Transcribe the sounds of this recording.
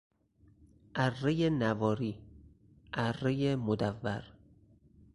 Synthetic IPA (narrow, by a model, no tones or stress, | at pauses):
ʔærːejenævɒːɾiː | ʔærːejemod̪ævːæɾ